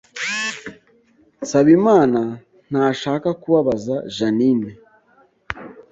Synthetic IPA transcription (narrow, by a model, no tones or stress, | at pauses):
saβimaːna | n̥aʃaːkakuβaβazaʒanine